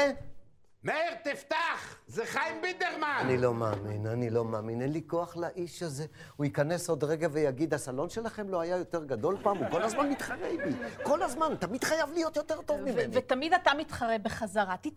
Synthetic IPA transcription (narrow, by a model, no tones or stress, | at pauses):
meʁt̪ift̪aχzeχajmbid̪eʁmaanilo̞maːminanilo̞maːminenlikoaχlaʔiʃaze̞ | huikane̞so̞d̪ʁeɡavejaɡid̪asalo̞nʃe̞laχe̞mlo̞ajajo̞t̪e̞ʁɡad̪o̞lpaːmuko̞lazmanmit̪χaʁejbiko̞lazmant̪amid̥̪χajavlijo̞t̪jo̞t̪e̞ʁt̪o̞vmivvet̪amid̪atamit̪χaʁebeχazaʁat̪i